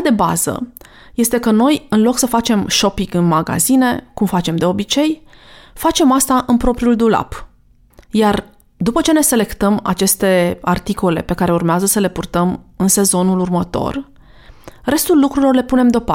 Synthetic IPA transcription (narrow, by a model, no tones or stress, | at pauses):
d̪eba̰z̥ə̰ | je̞st̪e̞kəno̞jɨnlo̞ksəfat͡ʃe̞mʃo̞pikɨnmaɡa̰zine̞kumfat͡ʃe̞md̪e̞o̞bit͡ʃe̞jfat͡ʃe̞mast̪aʔɨnpɾo̞pɾiuld̪ula̰p | jar | d̪upət͡ʃe̞ne̞se̞le̞kt̪əma̰t͡ʃe̞st̪e̞art̪iko̞le̞̰pe̞kaɾe̞urmeazəsəle̞purt̪əmɨnse̞zo̞nulurmət̪o̞̰r | re̞st̪ulːukɾuilo̞rle̞pune̞md̪opa